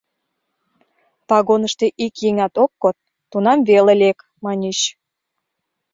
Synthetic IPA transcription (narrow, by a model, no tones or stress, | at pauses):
pɑɣonəʃt̪eʔikjeŋɑt̪okːot̪̚ːunɑmβelelʲek | mɑnʲeɕ